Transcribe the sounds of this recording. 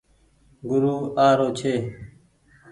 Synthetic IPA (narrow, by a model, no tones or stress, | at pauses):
ɡʊɾuːaːɾoːt͡ʃʰeː